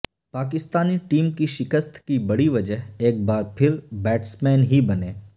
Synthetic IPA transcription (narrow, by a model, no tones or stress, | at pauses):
paːkɪst̪aːniʈiːmkiʃɪkəst̪ʰkibɐɽiʋɐd͡ʒəɦeːk̚baːɾpʰɪɾbɛːʈsmɛːnɦibɐnẽː